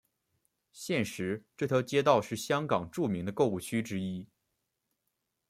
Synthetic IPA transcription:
ɕjɛ˥˩nʂɻ̩˧˥ʈ͡ʂɤ˥˩t̪ʰɤ˥t͡ɕjɛ˥t̪̬ɑ˥˧ʊʂɻ̩˥˩ɕjɑ˥ŋkɑ˨˩ŋʈ͡ʂu˥˩mi˧˥ŋd̪ə˧ko˥˧ʊu˥˩t͡ɕʰy˥ʈ͡ʂɻ̩˥i˥

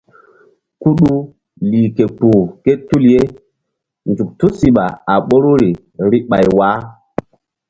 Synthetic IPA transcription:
ku˦ɗu˦ | liː˨ke˨pu˨ke˦tu˦lje˦ | nd͡ʒu˨k̚tu˦si˨ɓa˨a˨ɓo˦ɾu˦ɾi˨ | ɾi˦ɓa˨jwa˦

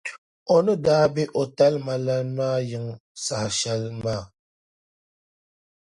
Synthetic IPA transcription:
ɔ˨nə˦daː˨˦bi˦ʔɔ˨ta˦lma˨la˦nma˦jə˨ŋsa˨hʃa˦lma˦˨

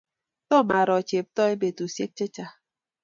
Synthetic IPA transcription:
to˦ma˨ɾɔ˨t͡ʃe˨p̚tɔ˦i˦be˨tu˨se˦t͡ʃe˦t͡ʃa˦

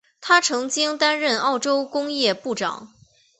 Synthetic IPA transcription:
t̪ʰa˥ʈ͡ʂʰɤ˧˥ŋt͡ɕi˥ŋt̪a˥nɻə˥˧nɑ˥˩ʊʈ͡ʂo˥ʊkʊ˥ŋjɛ˥˧pu˥˩ʈ͡ʂɑ̰˨˩˦ŋ

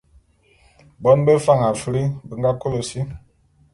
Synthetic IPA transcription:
bɔ˨˦nbə˦fa˦˨ŋa˨fi˦ɾi˦bə˨ŋɡa˦ko˦lo˨si˦

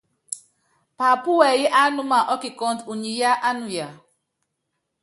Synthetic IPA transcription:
pa˨pu˦wɛ˨jɛ˦ʔa˦nu˦ma˨ʔɔ˦ki˨kɔ˨ntu˨ɲi˨ja˦ʔa˦nu˨ja˨

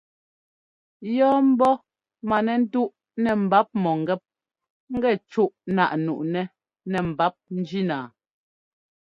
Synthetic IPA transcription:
jɔː˦m̩˦bɔ˦ | ma˨nɛ˨n̩˦tu˦ʔ | nɛ˨m̩˨ba˨˦p̚mɔ˨ŋ˨ɡɛ˦p̚ | ŋ̩˦ɡɛ˦˨t͡ʃu˦ʔna̰˨ʔnu˨ʔnɛ˨ | nɛ˨m̩˨ba˦p̚n̩˦d͡ʒi˦naː˨

